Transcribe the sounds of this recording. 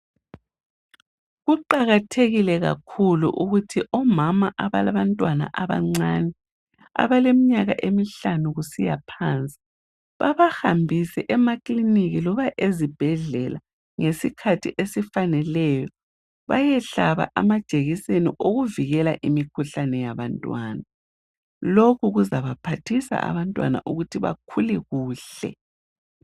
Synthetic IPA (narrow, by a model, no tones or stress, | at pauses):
ɣuǃaɣatʰeɣilɛɣa̰kʰulṵʔuɣutʰiʔɔmamaʔaβalaβantʼwana̰ʔaβa̰ŋ͡ǀanɛ | a̰βalemiɲaɣa̰ʔemiɬanuɣusija̰pʰaːnt͡sʼi̥ | βa̰βahambʱisɛʔɛmakʼliniɣilɔβaʔezib̥ʱɛɮɛla | ŋesikʰatʰiʔesifanɛlɛjɔ | βajɛɬaβa̰ʔamḁt͡ʃʼeɣiseniʔoɣuviɣɛla̰ʔimikʰuɬanɛjaβantʼwaːna | lokʰuɣuzaβapʰatʰisa̰ʔa̰βantʼwa̰na̰ʔuɣutʰiβa̰kʰulɛɣuːɬɛ̰